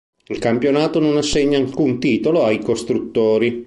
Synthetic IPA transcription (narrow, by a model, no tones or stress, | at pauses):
ilkampjonaːt̪ononasːeɲːaːlkunt̪iːt̪oloajkost̪ɾut̪ːoːɾi